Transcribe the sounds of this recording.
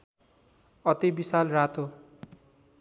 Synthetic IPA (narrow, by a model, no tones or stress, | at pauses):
ʌt̪ibisalrat̪o